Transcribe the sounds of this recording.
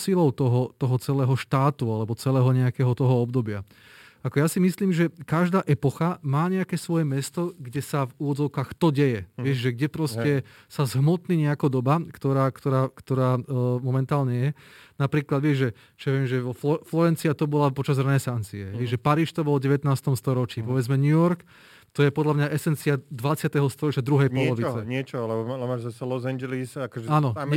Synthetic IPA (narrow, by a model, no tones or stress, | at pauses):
silɔʊt̪ɔɦɔt̪ɔɦɔt͡sɛlɛːɦɔʃt̪aːt̪ualɛbɔt͡sɛlɛːɦɔɲɛakɛːɦɔt̪ɔɦɔɔbd̪ɔbɪa | akɔjasimisliːmʒɛkaʒd̪aːʔɛpɔxamaːɲɛakɛːsʋɔjɛmɛst̪ɔɡɟɛsavuʋɔd͡zɔʊkaːxt̪ɔɟɛjɛʋɪɛʒʒɛɡɟɛpɾɔscɛ | sazɦmɔt̪niːɲɛakɔd̪ɔbakt̪ɔɾaːkt̪ɔɾaːkt̪ɔɾaːmɔmɛnt̪aːlɲɛjɛnapɾiːklad̪ʋɪɛʒʒɛ | t͡ʃɛʋɛmʒɛɔflɔflɔɾɛnt͡siat̪ɔbɔlapɔt͡ʃazɾɛnɛsant͡siɛ̰ʋɛʒʒɛpaɾiːʃt̪ɔbɔlɟɛʋɛt̪naːst̪ɔmst̪ɔɾɔt͡ʃiːpɔʋɛd͡zmɛɲujɔɾk | t̪ɔjɛpɔd̪ʎlamɲaʔɛsɛnt͡siad̪ʋat͡sɪat̪ɛɦɔst̪ɔɾɔt͡ʃjad̪ɾuɦɛjpɔlɔʋit͡sɛɲɪɛt͡ʃɔlɛbɔlɛmaːʒzasɛlɔzaɲd͡ʒɛlisakɔʒɛaːnɔ